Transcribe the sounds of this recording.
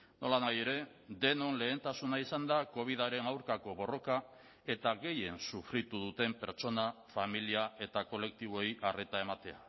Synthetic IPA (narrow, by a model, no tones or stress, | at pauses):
no̞lanaje̞ɾe̞d̪e̞no̞nle̞ːnt̪asunaisand̪ako̞β̞ið̞aɾe̞nawɾkako̞βo̞ro̞ka | e̞t̪aɣe̞je̞nsufɾit̪uðut̪e̞mpe̞ɾt͡ʃo̞nafamiliae̞t̪ako̞le̞k̚t̪iβ̞o̞iʔare̞t̪ae̞mat̪e̞a̰